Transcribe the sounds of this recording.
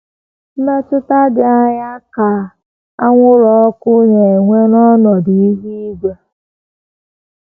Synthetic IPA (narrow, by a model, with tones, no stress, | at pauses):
me˦t͡ʃɪ˦ta˦dɪ˨a˦ɲa˦ka˨ | a˦ŋʷʊ˦ɾɔ˨ɔ˦kʊ˦ɲe˨ŋʷe˦nɔ˦nɔ˨di˨i˦ɦi˦ɡʷe˨